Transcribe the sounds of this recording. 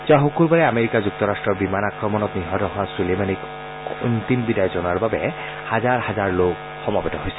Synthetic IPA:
zaxokulbaɹɛameɹikazuk̚tɔɹastɹɔɹbimanakɹɔmɔnɔtniɦɔtɔɦʊwasulemanik | untimbidajɔzɔnaɹbabɛ̰ | hazaɹhazaɹlok | xɔmabɛtɔɦojsɛ̥

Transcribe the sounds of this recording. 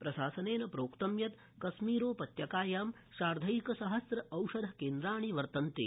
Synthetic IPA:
pɾɐʃaːsɐneːnɐpɾoːkt̪ɐmjɐt̪ | kɐsmiːɾoːpɐt̪jɐkaːjaːm | ʃaːɾd̪ʱɐjikɐsɐɦɐsɾɐɐwʂɐd̪ʱɐkeːnd̪ɾaːɳ̃iʋɐɾt̪ɐnt̪ḭ

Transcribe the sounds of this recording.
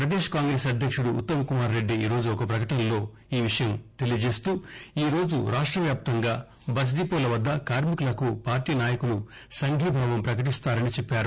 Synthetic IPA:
pɾɐd̪eːʂkaːŋɡɾe̞ːsɐd̪ʱjɐkʂuɽṵːt̪ːɐmɐkumaːɾːe̞ɖːiiːɾo̞ːd͡ʒuɔkɐpɾɐkɐʈɐnɐlo̞ː | iːʋiʂɐjɐmt̪e̞lijɐd͡ʒe̞ːst̪uːiːɾo̞ːd͡ʒṵɾʔaːʂʈɾɐʋjaːp̚t̪ɐŋɡaː | bɐd͡ʒd̪iːpoːlɐʋɐd̪ːɐkaːɾmikɐlɐkupaːɾʈiːnaːjɐkulu | sɐŋɡʱiːbʱaːʋɐmpɾɐkɐʈ̬ist̪aːɾɐnit͡ʃepːaːɾu

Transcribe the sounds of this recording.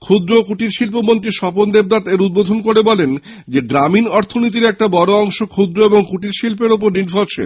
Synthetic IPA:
kʰud̪ɾokuʈiɾʃilpomont̪ɾiʃɔpond̪eb̚d̪at̪eɾud̪̚bod̪ʱonkoɾebɔlen | d͡ʑeɡɾaminɔɾt̪ʰonit̪̬iɾɛk̚ʈabɔɾoɔŋʃokʰud̪ɾoeboŋkuʈiɾʃilpeɾop̬oɾniɾfoɾt͡ɕʰḛ

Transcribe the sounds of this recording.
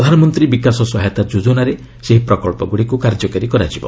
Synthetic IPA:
ɔd̪ʱanɔmɔnt̪ɾibikasɔswɔɦajt̪ad͡ʒud͡ʒunaɾe | seɦipɾɔkɔɭpɔɡuɽikukaɾd͡ʒɔkaɾikɔɾad͡ʒibɔ

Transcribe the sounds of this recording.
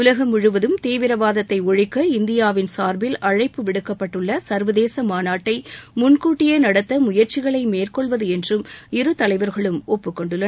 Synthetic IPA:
ʊlɐɣɐmʊɻɯʋɐðɯmt̪eːʋɪɾɐʋaːðɐt̪ːɐɪɔɻɪkːɐɪnd̪ɪjaːʋɪnsaːɾbɪlɐɻɐɪpːɯʋɪɽɯkːɐpːɐʈːɯɭːɐsɐɾʋɐðeːsɐmaːnaːʈːɐɪmʊnkuːʈːɪjɐɪnɐɽɐt̪ːɐmʊjɐɾt͡ʃɪɣɐɭɐɪmeːrkɔɭʋɐðɯɛndrɯmɪɾɯt̪ɐlɐɪʋɐɾɣɐɭɯmɔpːɯkːɔɳɖɯlːɐ

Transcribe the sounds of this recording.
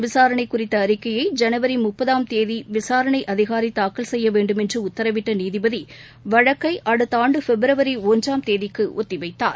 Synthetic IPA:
ʋɪsaːɾɐɳɐɪkːʊrɪt̪ːɐːɾɪkːɐjɐɪd͡ʒɛnɐʋɐɾimʊpːɐðaːmt̪eːðiʋɪsaːɾɐɳɐɪʔɐðɪɣaːɾit̪aːkɐlsɛjːɐʋeːɳɖɯmɛndrɯʊt̪ːɐɾɐʋɪʈːɐniːðɪbɐði | ʋɐɻɐkːɐɪʔɐɽɯt̪ːɐaːɳɖɯfɛbɪɾɐʋɐɾiɔɲd͡ʒaːmt̪eːðɪkːɯʔɔ̰t̪ːɪʋɐɪt̪ːa̰ːɾ

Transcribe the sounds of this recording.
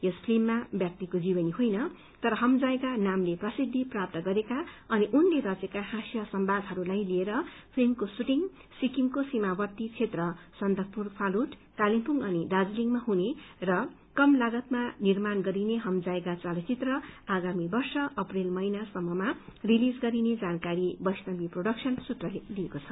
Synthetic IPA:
jʌspʰlimːabjʌk̚t̪ikod͡zibʌniɦojnʌ | t̪ʌɾʌɦʌmd͡zaekanamleprʌsid̪ʱːiprap̚t̪ʌɡʌɾekaʌniʔunleɾʌt͡sekaɦasjʌsʌmbad̪ʱɦʌɾulajlieɾʌ | pʰimkosuʈiŋ | sikiŋkosimabʌt̪ːit͡sʰet̪rʌsʌnd̪ʱʌk̚purpʰaluʈ | kalimpuŋɡʌniɖad͡zliŋmaɦunerʌ | kʌmlaɡʌt̪manirmanɡʌɾineɦʌmd͡zaekat͡salt͡sit̪rʌaɡamibʌrsʌʔʌprelmʌinasʌmːʌmarilid͡zɡʌɾined͡zankaɾibʌjsnʌbiproɽʌksʰʌnsut̪rʌlliekot͡sʰʌ

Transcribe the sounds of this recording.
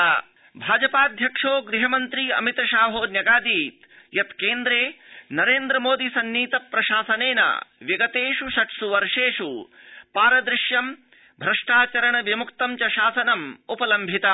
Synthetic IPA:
bʱaːd͡ʒɐpaːd̪ʱjɐkʂoːɡɾiɦɐmɐnt̪ɾiɐ̰mit̪ɐʃaːɦoːnjɐɡaːd̪iːt̪ | jɐt̪keːnd̪ɾeːnɐɾeːnd̪ɾɐmoːd̪isɐnːiːt̪ɐpɾɐʃaːsɐneːnɐ̰ʋjɐɡɐt̪eːʂuʃɐʈsuʋɐɾʂeːʂu | paːɾɐd̪ɾɪʂjɐm | bʱɾɐʂʈaːt͡ʃɐɾɐɳɐʋjɐmukt̪ɐmt͡ʃɐʃaːsɐnɐmupɐlɐmbʱit̪ɐ

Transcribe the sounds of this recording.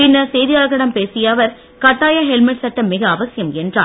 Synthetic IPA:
pɪnːɐsɛjðɪjaːlɣɐɽɐmpeːsɪjaːʋɐɾ | kɐʈːaːjaɦɛlmɪʈsɐʈːɐmːɪɣɐːʋɐsɪjɐmɛndra̰ː

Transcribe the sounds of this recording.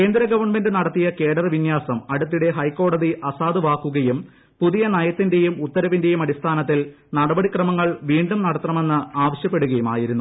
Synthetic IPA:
ke̞ːnd̪ɾɐɡɐʋɐrɳme̞ndɨnɐɽɐt̪ːijɐkeːɽɐrʋinjaːsɐmɐɽut̪ːiɽe̞ɦɐjkːo̞ːɽɐðiʔɐsaːd̪ɨʋaːkːuɣɐjum | puðijɐnɐjɐt̪ːinde̞jumut̪ːɐɾɐʋinde̞jumɐɽist̪ʰaːnɐt̪ːil | nɐɽɐbɐɽikrɐmɐŋːɐɭʋiːɳɖumnɐɽɐt̪rɐme̞nːɨaːʋɐɕjɐpːe̞ɽuɣɐjuma̰ːjiɾunːu

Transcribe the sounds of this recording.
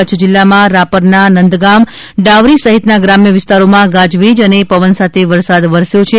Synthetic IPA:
ət͡ʃʰd͡ʒɪlːamãɾapəɾnanənd̪ɡam | ɖaʋɾisəɦit̪naɡɾamjəʋɪst̪aɾomãɡãd͡ʒʋid͡ʒənepəʋənsat̪ʰeʋəɾsad̪ʋəɾsjot͡ʃʰe

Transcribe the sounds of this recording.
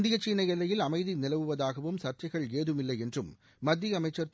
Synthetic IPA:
nd̪ɪjɐt͡ʃiːɳɐɪɛlːɐjɪlɐmɐɪðinɪlɐʋɯʋɐðaːɣɐʋɯmsɐrt͡ʃɐɪɣɐɭeːðɯmɪlːɐɪɛndrɯmː | ɐd̪ʱːiɐmɐɪt͡ʃːɐɾt̪

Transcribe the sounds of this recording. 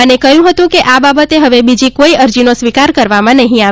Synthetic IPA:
ənekəjũɦət̪ũkeʔababət̪eɦəʋebid͡ʒikoiəɾd͡ʒinosʋikaɾkəɾʋamãnəɦĩa

